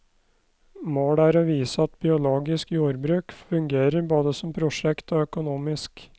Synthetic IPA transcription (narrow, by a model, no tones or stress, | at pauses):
moːɽæːɾoːʋiːsəɑt̪bɪʊloːɡɪskjuːɾbɾʉːkfʉŋɡeːɾəɾboːd̪əsɔmpʰɾʊʂɛkt̪oːœkʊnuːmɪsk